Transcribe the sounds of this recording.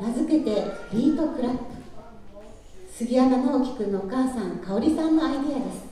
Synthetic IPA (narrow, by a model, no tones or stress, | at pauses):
ɾazɨke̞t̪e̞ɾʲiːt̪o̞kɯ̟ɾḁ | sɨɡʲiaɡ̪anoːkʲi̥kɯ̟nookaːsãŋkaoɾʲisãnːoait̪ejad̪e̞sɨ̥